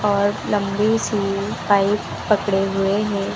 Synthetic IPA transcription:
ɔːɾlɐ̃mbesipaːipːɐkɽeɦʊeɦɛ̃ː

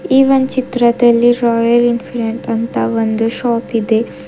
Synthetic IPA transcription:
iːʋɐnt͡ʃit̪ɾɐd̪ɐlːiɾɔːjɐɾinpʰiɾeɳʈɐnt̪aʋɐnd̪uʃɔːpid̪e

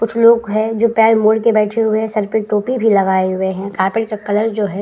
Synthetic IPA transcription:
kʊt͡ʃʰloːɡɦɛ̃d͡ʒoːpjaːemoːɽkebɛːʈʰeɦʊeɦsɐɾpɪʈoːpibʱilɐɡaːeɦʊeɦɛ̃kaːɾpɪʈkakɐləɾd͡ʒoːɦɛː

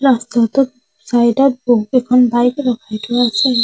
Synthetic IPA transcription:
ɾastat̪ʊt̚ | sajdɔt̚boɦukɛkʰɔnbajkɹɔkʰajtʰʊasɛ

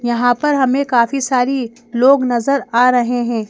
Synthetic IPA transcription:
jɐɦãpɐɾɦɐmẽkaːfisaːɾi | loːɡnɐzəɾaːɾɐɦeɦɛ̃ː

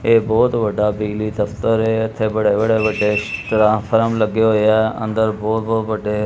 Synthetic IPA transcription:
ebɔːt̪ʋəɖʱabilid̪əft̪əɾeət̪ʰebəɽeʋəɽeʋəɖetɾãpʰəɾəmləɡjojaə̰̃nd̪əɾbɔːt̪̚boːt̪ʋəɖe

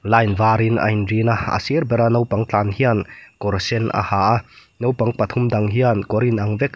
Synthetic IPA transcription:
lajnvaːɾinɐ̰jnɾinaa̰sirbɛɾanɐwpaŋt͡ɬanhiankɔɾsɛnʔa̰haːʔa | nowpɐŋpɐt̪ʰumd̪ɐŋɦiankɔɾinɐŋvɛk̚

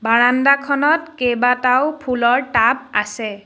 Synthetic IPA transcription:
baɹandakʰɔnɔtkebatawpʰulɔɹtap̚asɛ

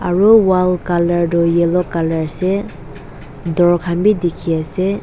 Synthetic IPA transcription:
aɹuwalkalaɹdɔjelɔkalaɹse | dɔɹɔkʰanbidikʰiase

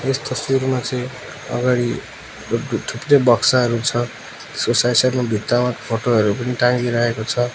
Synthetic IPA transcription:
est̪ʌsuɾmat͡sʌĩ | ʌ̰ɡaɽi | t̪ʰupdebʌksaɦʌɾut͡sʰʌ | t̪e̥skosajsarmabʱit̪ːawakpʰoʈoɦʌɾupʌniʈãŋɡiɾʌɦekot͡sʰʌ

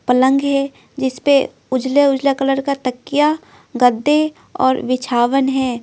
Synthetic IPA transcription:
pələ̃ŋɡɦɛ | d͡ʒɪspe | ʊd͡ʒleʊd͡ʒlekələɾkat̪əkːija | ɡəd̪ːe | ɔ̰ːɾʋɪt͡ʃʰaːʋənɦɛː

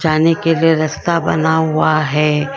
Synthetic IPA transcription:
t͡ʃaːnekelieɾɐst̪abɐ̰naɦʊaɦɛː

